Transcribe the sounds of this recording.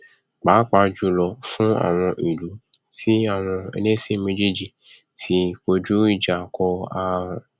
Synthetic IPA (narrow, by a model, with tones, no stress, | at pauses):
k͡paː˨˦k͡pa˧d͡ʒu˧lɔ˧fũ˦a̰˨w̃ɔ̃˧ʔi˨lu˨˦ | tʰi˦a˦˨w̃ɔ̃˧ḛ˧nẽ˦si˦˨mẽ˧d͡ʒe˦d͡ʒi˨ | tʰi˨˦ko˧d͡ʒu˦i˦˨d͡ʒa˨kʰɔ˧ã˧˨